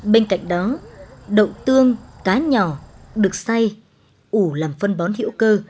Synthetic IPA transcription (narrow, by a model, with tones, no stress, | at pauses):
ɓe˧nka̰˧˨jŋ̟̚ɗɔ˨˦ɗə̰˧˨wt̪ɨ˧əŋkaː˨˦ɲɔ˧˩ɗɨ˨˩ək̚sa˧j | ʔu˧˩laː˨˩mfə˧nɓɔ˨˦nhḭ˧˥əwkəː˧